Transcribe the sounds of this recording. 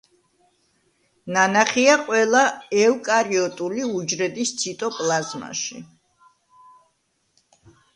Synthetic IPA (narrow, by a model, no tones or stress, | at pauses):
nanaχiaqʼwɛlˠaɛwkʼaɾiɔt̪ʼuliud͡ʒɾɛd̪ist̪sʰit̪ʼɔpʼlˠazma̰ʃḭ